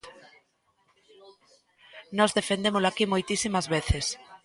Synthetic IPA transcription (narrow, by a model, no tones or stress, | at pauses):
nɔzðefend̪emolʊakimojt̪isimɐzβeθes